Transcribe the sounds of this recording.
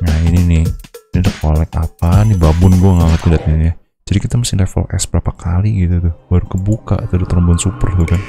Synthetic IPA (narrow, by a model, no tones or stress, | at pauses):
ŋaininɪhinidəkolɛkapanibabʊnɡuaŋaŋat̪ədat̪̚ɲana | d͡ʒ̥adikit̪amasɪŋlɛfə̰lʔɛ̰sbəɾapakʰaliɡit̪ut̪ʊhbaɾukəbuka̰ʔt̪adat̪əɾəmbuansupərt̪ukan